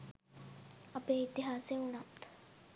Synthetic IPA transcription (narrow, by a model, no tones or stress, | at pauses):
əpeit̪iɦaːseuɳ̃at̪